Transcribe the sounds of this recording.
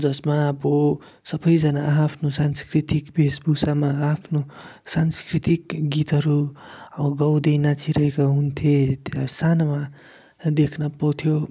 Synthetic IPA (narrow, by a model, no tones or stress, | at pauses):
d͡zʌsmabo | sʌbʌjd͡zʌnaːpʰnosanskrit̪ikbesbusamaapʰnosanskrit̪ikɡit̪ɦʌɾuʌbʌɡʌwd̪ejnat͡sʰiɾʌɦekaɦunt̪ʰjesanama | d̪ekʰnʌpʌwt̪ʰjo